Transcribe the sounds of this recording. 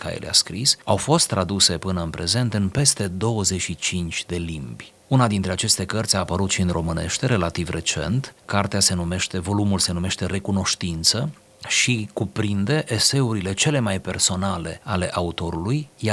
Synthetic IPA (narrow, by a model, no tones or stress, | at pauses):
kʰa̰jḛlḛa̰skɾisawfo̞st̪ːɾad̪use̞pɨnəɨnpɾe̞ze̞nt̪ɨnpe̞st̪e̞d̪o̞wəze̞ʃit͡ʃint͡ʃʲd̪e̞limbʲ | unad̪int̪ɾe̞at͡ʃe̞st̪e̞kərt̪sʲaːpəɾut̪ʃinro̞mɨne̞̰ʃt̪e̞ɾe̞lat̪ivrʔe̞t͡ʃe̞̰nt̪kart̪ease̞nume̞ʃt̪e̞vo̞lumulse̞nume̞ʃt̪e̞re̞kuno̞ʃt̪int̪sə | ʃikupɾind̪e̞ʔese̞uɾile̞t͡ʃe̞le̞majpe̞rso̞nale̞̰ale̞ʔaut̪o̞ɾulujj